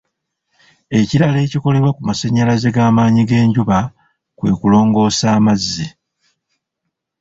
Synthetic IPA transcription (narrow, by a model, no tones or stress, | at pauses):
e̞ciɾale̞ːciko̞le̞βwakumasaɲːalazeɡaːmaːɲiɡe̞ːɲɟuβa | kwe̞̰ːkulo̞ːŋɡo̞ːsaːmazːi